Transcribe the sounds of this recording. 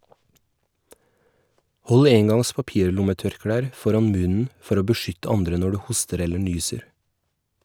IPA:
ˈhɔl ˈeːŋɡɑŋs pɑˈpiːɾˌlʊməˌtœɾˌkɽæːɾ ˈfɔɾɑn ˈmʉnn̩ ˈfɔɾ ˈoː bəˈʃʏtə ˈɑndɾə ˈnɔ ˈɽʉː ˈhʊstəɾ ˈɛlə ˈɳyːsəɾ

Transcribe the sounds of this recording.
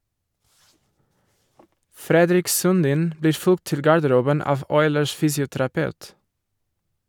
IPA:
ˈfɾɛdɾɪk sʉnˈdiːn ˈbliː ˈfʉlɡt ˈtɪl ɡɑɾdəˈɾuːbən ˈɑːʋ ˈɔʏləʃ ˈfyːsɪʊtɾɑˌpɑʉt

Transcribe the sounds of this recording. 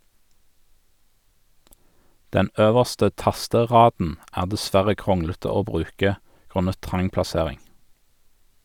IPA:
ˈdɛn ˈøːʋəʁstə ˈtɑstəˌʁɑːdn̩ ˈæːʁ dɛˈsʋæʁə ˈkʁʊŋlətə ˈoː ˈbʁʉːkə ˈɡʁʉnə ˈtʁɑŋ plɑˈseːʁɪŋ

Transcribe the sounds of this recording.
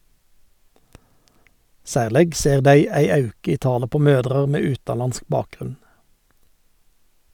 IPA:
ˈsæːʁlɛɡ ˈseːʁ ˈdæɪ ˈæɪ ˈɑʉkə ˈiː ˈtɑːlə ˈpoː ˈmøːdʁəʁ ˈmeː ˈʉːtɑˌlɑnsk ˈbɑːkˌɡʁʉn

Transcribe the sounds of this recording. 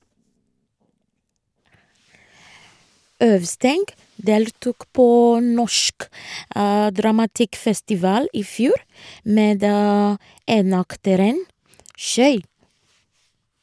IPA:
ˈœʋˌstɛŋɡ ˈdeːltuːk ˈpoː ˈnɔʃk ə dɾɑmɑˈtɪkfɛstɪˌʋɑːl ˈiː ˈfjuːɾ ˈmeːd ə ˈeːnɑktəɾən ˈʃœʏɾ

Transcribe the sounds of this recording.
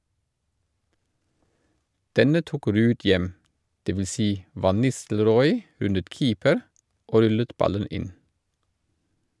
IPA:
ˈdɛnə ˈtuːk ˈɾʉːd ˈjɛm dɛʋɪˈsiː ˈʋɑn ˈnɪstl̩ˌɾɔʏ ˈʉnət ˈkiːpəɾ ˈoː ˈɾʉlət ˈbɑlən ˈɪn

